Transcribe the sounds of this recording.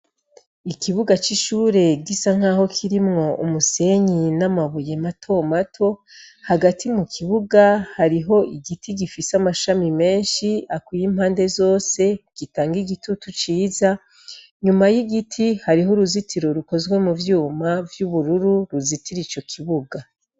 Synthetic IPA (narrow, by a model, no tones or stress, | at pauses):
ikiβuɡat͡ʃiʃuːɾe̞ɡisaŋ̥aːho̞kʰiɾimŋo̞ʔumuse̞ɲinamaβuje̞matʰo̞matʰo̞haɡatʰimukʰiβuɡahaɾiɦo̞ʔiɡitʰiɡifisamaʃamime̞ːnʃiakwujim̥haːnde̞zo̞ːse̞ɡ̥itaːŋɡiɡitutut͡ʃiːza | ɲumajiɡitʰihaɾiɦoɾuzitʰiɾo̞ɾuko̞zwe̞muvjuːmavjuβuɾuɾuɾuzitiɾit͡ʃo̞kʰiβuɡa